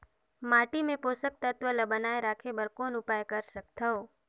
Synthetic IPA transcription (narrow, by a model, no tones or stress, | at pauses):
maːʈimẽpoːsək̚t̪ɐt̪wəlɐbənaːeɾaːkʰebɐɾkoːnʊpaːjkɐɾsɐk̚t̪ʰəo